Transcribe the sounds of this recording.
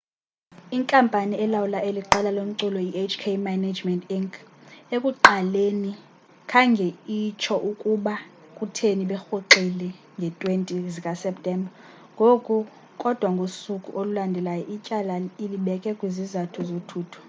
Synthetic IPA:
iŋkʼampʼaniɛlawulaʔeliǁɛlalom̩ǀulɔiet͡ʃʰʼkʰemanad͡ʒmɛntiŋkʰekʼuǃaleni | kʰaŋɡʱeit͡ʃʰɔʔukʼuɓa | kʼutʰeniɓɛxoǃilɛ | ŋɡʱɛtʼwentʼizikʼasɛp̚tʼɛmbʱa | ŋɡʱokʼu | kʼɔd̥ʱwaŋɡʱosukʼṵʔolulandʱɛlajɔʔicʼalailiɓɛkʼɛkʼwizizatʰuzotʰuːtʰu̥

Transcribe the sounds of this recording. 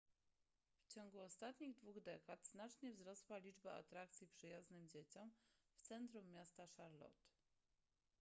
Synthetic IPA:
ft͡ɕɔŋɡuɔst̪at̪ɲiɣd̪vuɣd̪ɛkat̪z̥nat͡ʂɲɛvzɾɔswalʲid͡ʐbaa̰t̪ɾak̚t̪sʲjipʂɘjaznɘmd͡ʑet͡ɕɔmft̪sɛnt̪ɾumːjast̪aʂaɾlɔ̰t̪

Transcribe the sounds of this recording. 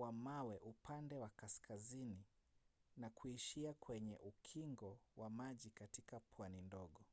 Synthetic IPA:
wamawɛʔupʰandɛwakaskʰazini | nakuiʃiakʰwɛɲɛ̰ʔukʰiŋɡɔwʔamaʄikatikapʰwanindɔɠɔ

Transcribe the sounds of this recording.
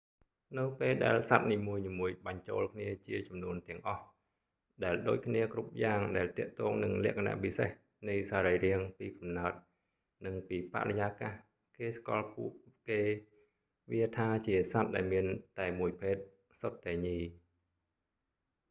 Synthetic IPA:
nɨwpeːlɗa̰ɛlsat̪̚niːmuəjniːmuəjɓɑɲt͡ɕo̰ːlkʰniət͡ɕiət͡ɕɑmnuənt̪ɛ̆əŋʔɑh | ɗaɛlɗo̰ːc̚kʰniəkrup̚jaːŋɗaɛlt̪ɛ̆əʔt̪ɔːŋnɨŋlɛ̆əʔkʰana̰ʔpiseh | nɨjsaːɾəjriəŋpiːkɑmnaət̪̚ | nɨŋpiːpa̰rejaːkaːh | keːskɑ̰lpuəʔkeː | ʋiət̪ʰaːt͡ɕiəsat̪̚ɗaɛlmiənt̪aɛmuəjpʰeːt̪̚ | sot̪ːaɛɲiː

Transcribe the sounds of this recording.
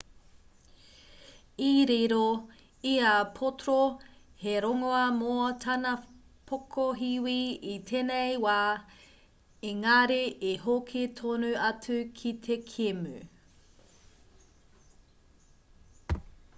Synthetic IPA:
iɾiɾo | iapʰotoɾo | heɾoŋoɐmoɐtʰɐnɐ | pʰokʰoɦiwiitʰeːnejwaː | eŋaɾeeɦokʰetʰonʉɐt͡sʉkʰit̪ʰekʰemʉ̰

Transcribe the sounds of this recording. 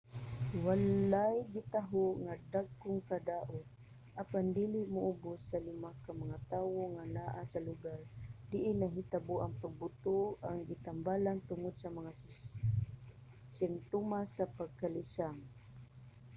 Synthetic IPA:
walajɡɪt̪aɦoŋad̪aɡʊŋkad̪aːʔʊt̪̚ | ʔapand̪ilɪʔmʊʔʊbʊsːalɪmakamaŋat̪aːwoŋanaʔasalʊɡaɹd̪̥ɪʔɪnaɦit̪abʊʔaŋpaɡ̚bʊt̪oaŋɡɪt̪ambalant̪ʊŋʊd̪samaŋa | sɪnt̪umasapaɡ̚kalɪsaŋ

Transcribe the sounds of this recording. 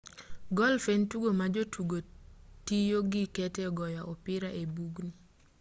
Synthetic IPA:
ɡɔlfentuɡomad͡ʒotʰuɡotijoɡikɛtɛɔɡɔjaʔɔpɪɾaʔebuɡni

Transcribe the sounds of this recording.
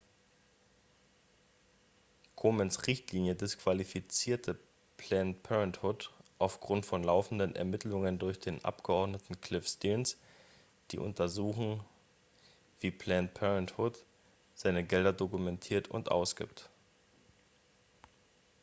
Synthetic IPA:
kʰomənsʁɪçtliːnjədɪskv̥alifit͡siːɐtʰə | pʰlɛnpʰɛʁənthʊtʔaʊfɡ̥ʁʊntfɔnlaʊfn̩dənʔɛ̰ɐmɪtʰlʊŋəndʊɐçd̥eːnʔa̰pɡ̥əʔɔɐdnətn̩kʰl̥ɪfstiːns | d̥ḭːʔʊ̰ntʰɐzuːxn̩ | v̥iːpʰlɛnpʰɛʁənthʊt | z̥aɪnəɡɛldɐdokumɛntʰiːɐtʰʊ̰ntʔa̰ʊsɡ̥ḭːpt

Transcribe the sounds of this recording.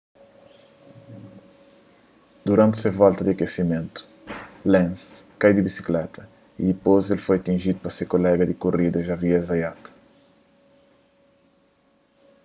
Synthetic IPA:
d̪uɾãnt̪sevalt̪ɐd̪iɐkesimẽnt̪u̥ | lẽnskajd̪ɪbisi̥klɛt̪ɐ | id̪ipozelfojɐt̪ĩʒid̪upɾɐsekolɛɡɐd̪ɪkorid̪ɐʒaviɛzɐjat̪ɐ̥

